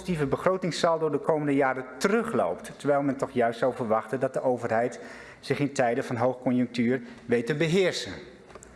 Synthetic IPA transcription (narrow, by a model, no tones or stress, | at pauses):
psitivəbəχrowtɪŋsalˠdʊːɹdəkowməndəjaːɾətərɵχlo̰wpttəɹʋɛjlˠmɛntɔχjœɥstsawvəɹʋɑχtəndɑt̚dəʔowvərɦɛjt | sɪχɪntɛjdəvɑnɦowχkɔnjəŋk̚tyːrʋejtəbəɦɪːɹsən